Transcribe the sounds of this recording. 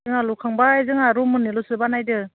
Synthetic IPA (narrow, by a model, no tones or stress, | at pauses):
ɯŋalukʰaŋbaajzɯŋaɾumɯnːilusɯbanajdɯ